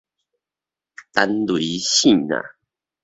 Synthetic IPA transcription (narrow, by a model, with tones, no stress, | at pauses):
t̪a˦nlwi˨˦ɕi˥˨na̰˨˩˨